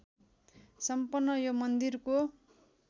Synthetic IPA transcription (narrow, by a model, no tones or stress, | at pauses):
sʌmpʌrnːʌjomʌnd̪irko